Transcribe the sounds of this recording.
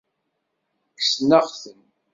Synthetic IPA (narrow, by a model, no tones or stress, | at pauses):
ksnəʁθən